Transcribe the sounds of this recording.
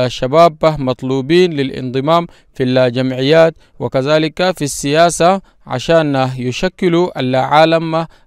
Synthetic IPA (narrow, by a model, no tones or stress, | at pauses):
ʃabaːbamɑt̪ˤluːbiːnlilʔḭnd̪ˤɨmaːm | filad͡ʒamʕijːaːt̪̚ | wa̰kazaːlikafisːijaːsa | ʕa̰ʃaːnjuʃakːiluʔa̰lːaʕaːlama